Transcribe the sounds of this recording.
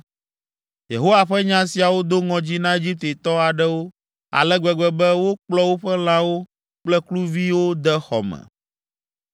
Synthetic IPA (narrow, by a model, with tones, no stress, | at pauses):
je˨ɦo˦wa˨ɸɛ˦ɲã˦si˨a˨wo˦d̪o˦ŋɔ̃˨d͡ʑi˦nã˦e˦d͡ʑi˦p̚t̪e˨t̪ɔ˦a˨ɖɛ˦wo˦ | a̰˨lɛ˦ɡ͡bɛ˨ɡ͡bɛ˨bɛ˦wo˦k͡plɔ˦wo˦ɸɛ˦l̃ã˦wo˦ | k͡plɛ˦klu˦vi˦wo˦d̪ɛ˦xɔ̰˨mɛ̰̃˨